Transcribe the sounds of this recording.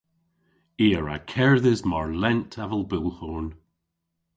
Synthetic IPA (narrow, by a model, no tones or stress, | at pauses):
eːəɹa̰kʰɛɹðɪzmɔɹlɛntʰavəlˠbɪlˠhon